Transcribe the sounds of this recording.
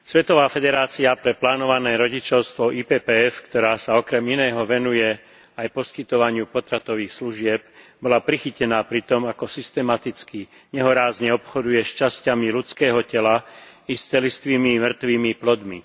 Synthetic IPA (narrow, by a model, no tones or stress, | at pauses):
sʋɛt̪ɔʋaːfɛd̪ɛɾaːt͡siapɾɛplaːnɔʋanɛːɾɔɟit͡ʃɔʊst̪ʋɔʔipɛːpɛːɛfkt̪ɔɾaːsaɔkɾɛminɛːɦɔʋɛnujɛ | ajpɔskit̪ɔʋaɲɪupɔt̪ɾat̪ɔʋiːxsluʒɪɛb̚bɔlapɾixicɛnaːpɾit̪ɔmakɔsist̪ɛmat̪it͡ski | ɲɛɦɔɾaːzɲɛɔpxɔd̪ujɛʃt͡ʃascamilut͡skɛːɦɔcɛla | ist͡sɛlist̪ʋiːmimr̩t̪ʋiːmiplɔd̪mḭ